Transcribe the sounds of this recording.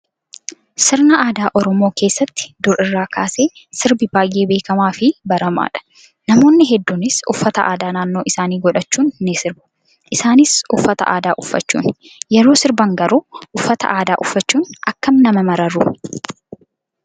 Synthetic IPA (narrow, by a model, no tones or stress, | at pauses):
sɪɾnɐʔaːd̪aːʔɔɾɔmoːke̞ːsːɐt̪ːɪ̥d̪ʊɾɪrːaːkʰaːse̞ː | sɪɾbɪbaːjʔe̞ːbe̞ːkɐmaːfɪbɐɾɐma̰ːᶑɐ̥ | nɐmo̞ːnːɪɦɛd̪ːuːnɪsʊ̰fːɐt̪ɐʔaːd̪aːnaːnːo̞ːʔɪsaːniːɡɔᶑɐt͡ʃːuːnnɪsɪɾbʊ̥ | ʔɪsaːnɪsʊfːɐt̪ɐ̰ʔaːd̪aːʔʊfːɐ̰t͡ʃːṵːn | jɛɾo̞ːsɪɾbɐŋɡɐɾuʔʊfːɐt̪ɐ̰ʔaːd̪aːʔʊfːɐt͡ʃːuːnɐkːɐmnɐmɐmɐɾɐrʊ